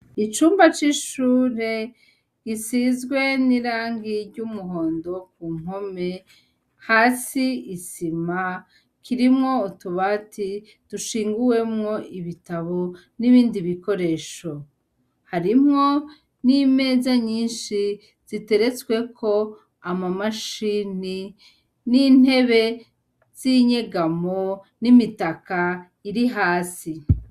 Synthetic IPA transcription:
it͡ʃuːmbat͡ʃiʃuːɾe̞ | ɡisizɡwe̞niɾaːŋɡiɾɟumuɦo̞ːndo̞kuːŋ̥o̞me̞ | haːsiːsima | kʰiɾimŋo̞utuβaːti | d̥uʃiːŋɡuwe̞mŋo̞iβitaβo | niβiːndiβiko̞ɾe̞ːʃo | haɾimŋo̞ | nime̞ːzaɲiːnʃi | z̥ite̞ɾe̞t͡swe̞kʰo̞ | amamaʃiːni | nin̥e̞βe̞ | z̥iɲeɡamo | nimitaka | iɾiɦaːsi

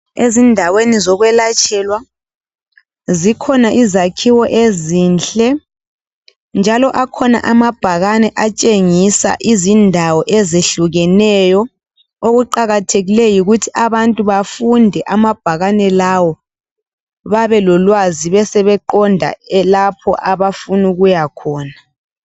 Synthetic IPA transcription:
ezindʱawenizɔɣwɛlat͡ʃʰʼɛlwa | zikʰɔnaʔizakʰiwɔʔezint͡ɬʼɛ | nd͡ʒʱalɔʔakʰɔna̰ʔamab̥ʱaɣanɛʔat͡ʃʼeŋisa̰ʔizindʱawɔʔɛzeɬuɣɛnɛjɔ | oɣuǃaɣatʰeɣilɛjiɣutʰiʔaβantʼuβafundʱɛʔamab̥ʱaɣanɛlawɔ | βaβɛlɔlwaziβɛsɛβɛǃɔndʱa̰ɛlapʰɔ̰ʔaβafunuɣujakʰɔːna

